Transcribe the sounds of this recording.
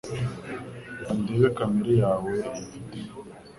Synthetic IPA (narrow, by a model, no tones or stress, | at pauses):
andeβekamiɾijaːweite